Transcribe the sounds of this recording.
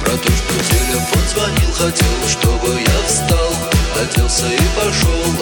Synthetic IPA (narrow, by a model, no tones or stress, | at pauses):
pɾɐt̪oʂt̪ʊzʲelʲɪpəzvɐnʲilˠxɐtʲelˠʂt̪o̞bɨjast̪alˠxɐtʲelˠsʲəipɐʂolˠ